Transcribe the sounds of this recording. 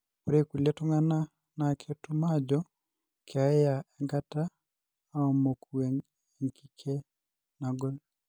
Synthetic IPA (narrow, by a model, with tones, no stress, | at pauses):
o˨ɾe˦ku˨le˦tʊ˦ŋa˦na˦ | na˨kʰe˦tu˦ma˦d͡ʒɔ | kʰea˨ɛ˦ja˨ɛ˨ŋɡa˦taː˦ | ɔ˨mo˨kʰu˨e˨ŋ | e˨ŋki˦kʰe˦ | na˨ɡɔ˦l